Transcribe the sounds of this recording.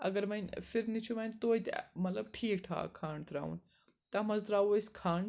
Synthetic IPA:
ɐɡɐɾmɐnfiɾnit͡ʃʰumɐnt̪oːjt̪mɐt̪lɐb̚ʈʰiːkʈʰa̰ːkʰaːɳɖt̪ʰɾa̰ːṵn | t̪ɐmɐzt̪ɾaːwoskʰaːɳ

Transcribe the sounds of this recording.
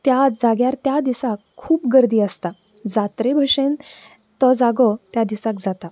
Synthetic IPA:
t̪jad͡zaɡjaɾt̪jad̪isakʰːuːpɡəɾd̪iːəst̪a | d͡zat̪ɾebʱəʂen | t̪ɔd͡zaɡɔt̪jad̪isakd͡zat̪a

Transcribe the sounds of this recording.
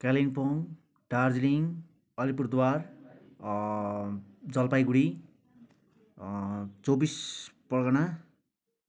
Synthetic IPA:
kalinpoŋ | ʈard͡zliŋ | ʌlipurd̪war | d͡zʌlpajɡuɽi | t͡sobispʌrɡʌna

